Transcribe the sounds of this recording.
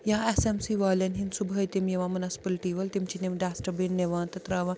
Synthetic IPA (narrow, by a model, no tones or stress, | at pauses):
jaesemsiːʋaːlʲɐnɦinsubʱɐjt̪imjeʋãmɐnɐspɐlʈiːʋɐlt̪imt͡ʃʰineʋɖaːsʈɐbenːeʋãːnt̪ɐt̪ɾaːʋãː